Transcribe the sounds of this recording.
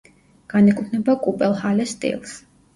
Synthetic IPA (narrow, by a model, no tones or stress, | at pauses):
ɡ̥anɛkʼut̪ʰnɛbakʼupʼɛlˠhalɛst̪ʼḭlˠs